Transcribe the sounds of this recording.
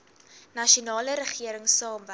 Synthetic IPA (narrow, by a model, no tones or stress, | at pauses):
nɐʃiunɑːləɾəχiəɾəŋsɑːmvə